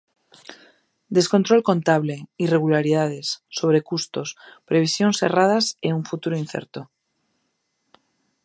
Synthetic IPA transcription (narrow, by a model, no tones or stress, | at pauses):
d̪e̞sko̞nt̪ɾo̞lko̞nt̪aβle̞ire̞ɣ̞ulaɾiðað̞e̞sːo̞β̞ɾe̞kust̪o̞spɾe̞β̞isjo̞nse̞̰rað̞aseuɱfut̪uɾoinθḛɾt̪o